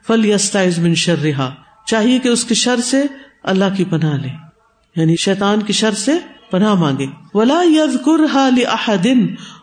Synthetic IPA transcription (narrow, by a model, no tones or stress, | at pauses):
fɐljɐst̪aʕɪzmɪ̃nʃɐrːɪɦaː | t͡ʃaːɦiekeʊskiʃɐɾseɐ̰lːaɦkipɐnalḛː | jaːniʃɛːt̪aːnkiʃɐɾsepɐnamãːŋ̆ɡeːʋɐlaːjɐðkʊɾɦaːlɪʔɐħad̪ɪn